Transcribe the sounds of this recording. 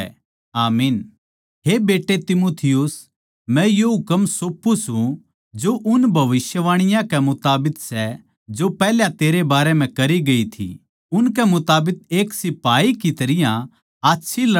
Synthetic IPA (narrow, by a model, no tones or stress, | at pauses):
aːmiːn | ɦebeːʈːet̪ɪmoːt̪ʰɪjʊs | mɛ̃joɦʊkəmsoːpːusɦũ | d͡ʒoʔʊnbʱɐʋɪʃjəʋaːɽ̃ɪjãkɛmʊt̪aːbɪksɛ | d͡ʒopɛːɦljãt̪eːɾebaːɾɛm̤ɛ̃kɐɾiɡɐit̪ʰḭ | ʊnk̬ɛmʊt̪aːbɪk̚eːksɪpaːikit̪ɐɾɪjã | aːtːʃʰil